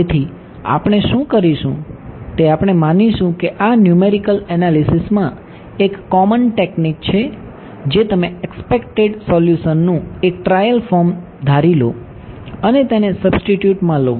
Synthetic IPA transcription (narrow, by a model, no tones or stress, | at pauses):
et̪ʰi | a̰pɳ̃eʃũkəɾiʃṵ̃t̪eapɽ̃emaniʃũkeʔanjumeɾikəlɛnalisismã | ekːɔmənʈeknik̚t͡ʃʰe | d͡ʒet̪əmeekspekʈeɖsɔljuʃənːũek̚ʈɾajəlfɔɾm | d̪ʱaɾilo̰ | ənet̪enesəbsʈiʈjuʈmãlo